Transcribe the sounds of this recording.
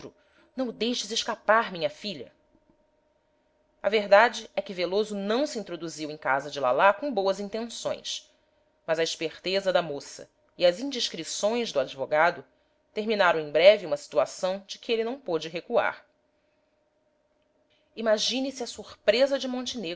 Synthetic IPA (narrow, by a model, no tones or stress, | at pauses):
ɾʊ | nɐ̃w̃d̪ejʃɪzɪʃkapaɾmĩɲɐfiʎɐ̰ | ɐveɦd̪ad͡ʒɪɛkɪvelozʊnɐ̃w̃sĩt̪ɾod̪uziwẽj̃kazɐd͡ʒɪla̰lakõw̃bowɐzĩt̪ẽsõ̰j̃s | mɐzɐiʃpeχt̪ezɐd̪ɐmosɐ̰ | iɐzĩd͡ʒiʃkɾisõj̃zd̪ʊad͡ʒivoɡad̪ʊ | t̪eɾminaɾɐ̃w̃ẽj̃bɾɛviũmɐsi̥t̪uasɐ̃w̃d͡ʒɪkɪelɪnɐ̃w̃pod͡ʒɪɦekua̰ɾ | imaʒĩnisɪɐsuχpɾezɐd͡ʒɪmõnt͡ʃɪne